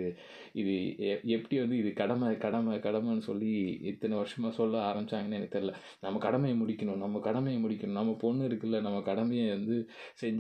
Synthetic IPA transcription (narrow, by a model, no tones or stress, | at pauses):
ɪðɯɛɛpːɐɽiʋɐnd̪ɯɪðɯkɐɽɐmɐkɐɽɐmɐkɐɽɐmɐnːɯsɔlːiɪt̪ːɐnɐʋɐɾʂɐmaːsɔlːɐaːɾɐmbɪt͡ʃːaːŋɡɐnːaɛnːɐk̚t̪ːɐɾlːɐ | nɐmːɐkɐɽɐmɐjɐmʊɽɪkʲːɐɳʊ̃nɐmːɐkɐɽɐmɐjɐmʊɽɪkːɐnʊ̃nɐmːɐpɔnːɯɪɾɯkːɪlːɐnɐmːɐkɐɽɐmɐjɐʋɐnd̪ɯsɛɲd͡ʒ